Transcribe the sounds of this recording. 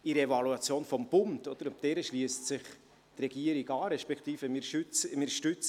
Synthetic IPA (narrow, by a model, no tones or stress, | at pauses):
iɾɛvɑluɑt͡sjoːnfɔmb̥ʊntɔd̥̪əɾʊp̚d̥ɛːɾəʃliəstsɪχ | trɛɡ̥iəɾiɡɑːɾɛʃpɛkχt̪iːfəmɪɾʃʏt͡smɪɾʃtʉt͡s